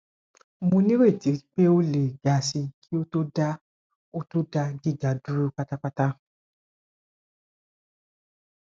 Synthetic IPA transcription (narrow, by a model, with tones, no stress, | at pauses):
mũ˧nĩ˦ɾe˦˨ti˨˦k͡pe˦o˦le˨ɡa˨si˧kʰi˦o˦to˦da˦ | o˦to˦da˦ɡi˦˨ɡa˨du˦ɾu˦k͡pa˦ta˦k͡pa˦ta˦